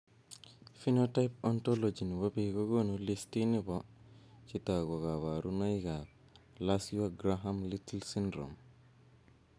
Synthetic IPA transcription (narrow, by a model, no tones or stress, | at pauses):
finotajpɔntɔlod͡ʒinwapiɡɔɡɔnulistinibɔt͡ʃitaɡɔkawaɾunajka | lasiwaɡɾaɦamlitilsindɾɔ̰m